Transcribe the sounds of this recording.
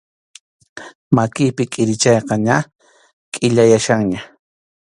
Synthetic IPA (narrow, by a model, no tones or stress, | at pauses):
makɪpɪkʼɪɾɪt͡ʃɑjqɑɲa | kʼɪʎajaʃɑŋɲa